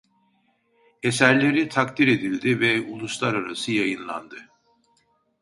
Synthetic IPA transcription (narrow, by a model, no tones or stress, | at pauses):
esæɾlʲe̞ɾit̪ʰakt̪iɾe̞d̪ilʲd̪ivɛulˠuslˠaɾaɾasɯjajɯnlˠa̰nd̪ɯ